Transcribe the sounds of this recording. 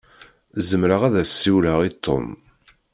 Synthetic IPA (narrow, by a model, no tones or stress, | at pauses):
zəmɾəʁæðæsːiwləʁit̪ʰːo̰m